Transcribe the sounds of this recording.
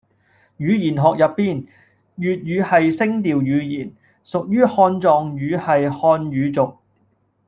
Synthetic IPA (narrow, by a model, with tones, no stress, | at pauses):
jyː˨˧jiː˨˩nɦɔː˨k̚jɐ˨pːiː˥˩n | jyː˨t̚ɥyː˨˧hɐ˨jsɪ˥ŋt̪iː˨wjyː˨˧jiː˨˩n | sʊ˨k̚jyː˥hɔː˧nt͡sɔː˨˧ŋjyː˨˧hɐ˨jhɔː˧njyː˨˧t͡sʊ˨k̚